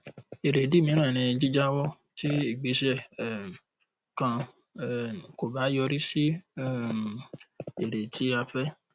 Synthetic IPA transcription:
e˨ɾe˨di˦˨mĩ˧˦nã˦˨ñĩ˧d͡ʒi˦d͡ʒa˦wɔ˦ | ti˦i˦˨ɡ͡be˨˧ʃɛ˦˨ | kã˧˦˨ | ko˨ba˨˦jɔ˧ɾi˦si˦˨ | e˨ɾe˨tʰi˨˦a˧fɛ˦

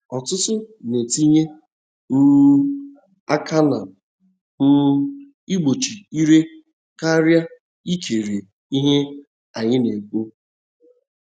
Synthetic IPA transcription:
ɔ˨tʊ˦tʊ˦ne˨ti˦ɲe˦ | n̩˦ | a˦kʰa˦na˨ | m̩˦ | i˦ɡ͡bo˨t͡ʃi˨i˦ɾe˦ | ka˦ɾja˦ | i˦kʰe˨ɾe˨ | i˦ɦe˦ | a˨ɲɪ˦ne˨k͡po˦

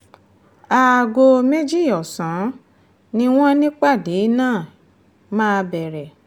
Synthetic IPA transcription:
a˨ɡo˧me˦d͡ʒi˦˨jɔ˨sã˨˦ | nĩ˦w̃ɔ̃˦nĩ˦k͡pa˦˨de˨˦nãː˦˨ | mãː˦˧bɛ˨ɾɛ˨

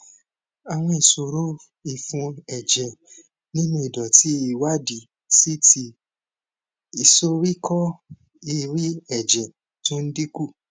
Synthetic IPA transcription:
a˨w̃ɔ̃˧i˨so˨ɾo˦ | i˨fũ˧ɛ˨d͡ʒɛ˨ | nĩ˦nũ˧i˨dɔ˨ti˨˦i˨wa˦di˨ | si˦ti˧ | i˨so˦ɾi˦kʰɔ˦ | i˧ɾi˦ɛ˨d͡ʒɛ˨ | tũ˦n̩˦di˦ku˦˨

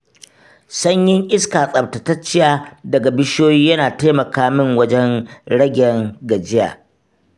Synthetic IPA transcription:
sɐ˦ɲjɪ˦ŋʔɪ˦skaː˨sʼɐ˨btɐ˨tɐ˦t͡ʃːɪ˦jaː˦dɐ˨ɡa˨bɪ˦ʃoː˦jiː˦jɐ˦naː˨ta˦mɐ˨kaː˦mɪ˦ŋwɐ˦d͡ʒɛ˦ŋɽɐ˦ɡʲɛ˨ŋɡɐ˨d͡ʒɪ˦ja̰ː˨

